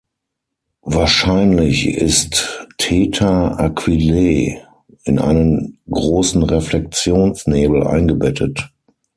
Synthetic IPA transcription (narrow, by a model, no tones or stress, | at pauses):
vaːɐʃaɪnlɪçɪ̰sttʰɛːtʰɐʔakʰv̥ileː | ʔɪnʔa̰ɪnənɡʁoːsn̩ʁɛflɛk̚t͡sjoːnsneːbl̩ʔa̰ɪnɡəbɛtʰət